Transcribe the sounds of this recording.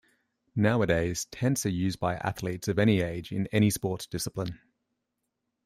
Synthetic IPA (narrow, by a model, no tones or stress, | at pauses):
naʊədeɪz̥tʰɛ̃ntsəjʉːzbaɪʔa̰θliˑtsəvɛɾ̃ieɪd͡ʒɪ̰̃nɛɾ̃ispɔˑʔd̥ɪsəplɪ̃n